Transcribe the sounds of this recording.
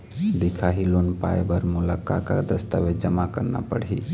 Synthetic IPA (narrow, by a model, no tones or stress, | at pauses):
d̪ɪkʰaɦiloːnpa̰ːebəɾmʊlakakad̪əst̪aʋed͡ʒəmakəɾna̰pəɽɦi